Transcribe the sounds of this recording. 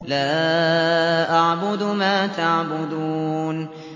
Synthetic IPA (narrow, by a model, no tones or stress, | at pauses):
laː | ʔaʕbʊd̪maːt̪aʕbʊd̪uːn